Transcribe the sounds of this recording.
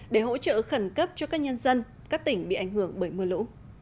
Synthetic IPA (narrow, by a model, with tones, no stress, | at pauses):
ɗe˧˩ɦo̰˧˥t͡ɕə̰ː˧˨xə˧˩nkə˦˥p̚t͡ɕɔ˧kaː˦˥k̚ɲə˧nzə˧n | kaː˦˥k̚t̪ï˧˩ŋ̟ɓḭ˧˨ʔa˧˩jŋ̟hɨ˧˩əŋɓəː˧˩jmɨ˧˩əlṵ˧˥